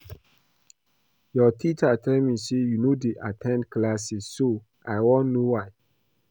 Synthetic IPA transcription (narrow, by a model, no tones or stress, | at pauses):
jɔtʰit͡ʃatʰɛlmisejunodeʔatʰɛ̃ndklasiso | ajwɔ̃nnːowaj